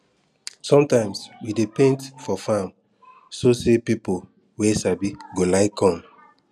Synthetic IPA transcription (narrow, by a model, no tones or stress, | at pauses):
sɔ̃mtãɪ̃mswidepẽntfɔfãm | sosepipo | wɛsabiɡolaɪkʰːɔ̃m